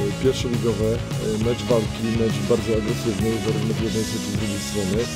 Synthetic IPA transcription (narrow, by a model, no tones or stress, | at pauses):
pʲjɛɾfʂɛlʲiɡɔvɛ | mɛt͡ʂvalkʲimɛt͡ʂbaɾd͡zejaɡɾɛsɘvnɛjzaɾuvnɔvjɛd̪nɛjsɛt̪id̪ɾuɡʲejst̪ɾɔnɘ